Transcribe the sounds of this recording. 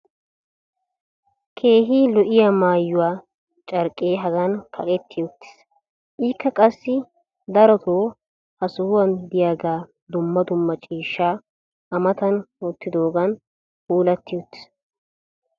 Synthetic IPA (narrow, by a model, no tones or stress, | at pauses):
kʰe̞ːɦiːlɔʔɪjamaːjːʊwaː | t͡ʃʼɐɾkʼːeːɦɐɡɐnkʰɐ̰kʼɛt̪ʰːɪjot̪ːɪ̥s | ʔiːkʰːɐkʼɐsːɪ | d̪ɐɾɔt̪oː | hɐsʊhʊwɐnd̪ɪjaːɡaː | d̪ʊmːɐd̪ʊmːɐt͡ʃʼiːʃːaː | ʔɐmɐt̪ɐnot̪ːɪd̪oːɡɐn | ʔuːlɐt̪ːɪjot̪ːɪ̥s